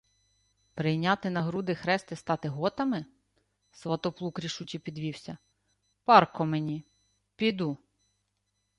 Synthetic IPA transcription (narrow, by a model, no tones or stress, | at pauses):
pɾɪjnʲɑt̪ɪnɐɦɾud̪ɪxɾɛst̪ɪst̪ɑt̪ɪɦɔt̪ɐmɪ | sʋɐt̪ɔplˠukɾʲiʃut͡ʃʲipʲid̪ʋʲiwsʲɐ | pɑrkɔmenʲi | pʲid̪u